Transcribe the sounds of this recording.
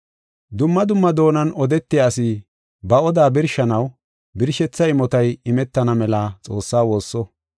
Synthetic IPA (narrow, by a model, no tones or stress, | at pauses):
d̪ʊmːɐd̪ʊmːɐd̪o̞ːnɐnɔd̪ɛt̪ːɪjaːsɪ | bɐɔd̪aːbɪɾʃɐnɐw | bɪɾʃɛt͡sːɐɪmɔt̪ɐjɪmɛt̪ːɐnɐmɛlɐt͡sʼo̞ːsːaːwo̞ːsːɔ